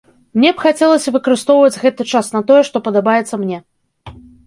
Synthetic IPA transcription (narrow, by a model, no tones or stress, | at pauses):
mnʲɛpxat͡sʲɛlˠɐsʲɐvɨkɐɾɨst̪ɔwvɐd͡zʲɣɛt̪ɨt͡ʂasnɐt̪ɔjɛʂt̪ɔpɐd̪abajɛt̪sːɐmnʲɛ